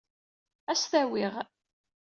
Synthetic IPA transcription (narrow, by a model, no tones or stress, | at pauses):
æsθæwɪʁ